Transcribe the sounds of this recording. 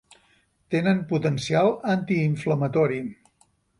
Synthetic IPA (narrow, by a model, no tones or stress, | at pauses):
t̪enənput̪ənsialˠant̪iːɱfləmət̪ɔɾi